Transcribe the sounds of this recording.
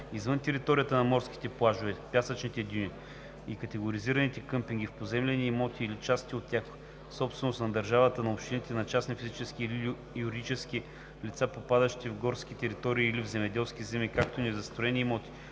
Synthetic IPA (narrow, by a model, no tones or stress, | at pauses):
izvɤnt̪ɛɾit̪ɔɾʲijət̪ənɐmɔɾskʲi̥t̪ɛplˠaʒovɛpʲjasət͡ʃnit̪ɛd̪ʲuni | ikɐt̪ɛɡoɾiziɾɐnit̪ɛkɤmpiŋɡ̟ʲifpozɛmlʲɛniːmɔt̪ʲiːlit͡ʃast̪ʲiot̪̚t̪ːʲjax | sɔpst̪vɛnost̪nɐd̪ɐɾʒavət̪ənɐopʃt̪ʲinit̪ɛnɐt͡ʃasnifizit͡ʃɛskili | juɾid̪it͡ʃɛsk̟ʲi | lit̪sapopad̪əʃt̪ivɡɔɾskit̪ɛɾit̪ɔɾiːlivzɛmɛd̪ɛlˠsk̟izɛmikakt̪onɛzɐst̪ɾoɛniːmɔt̪ʲi̥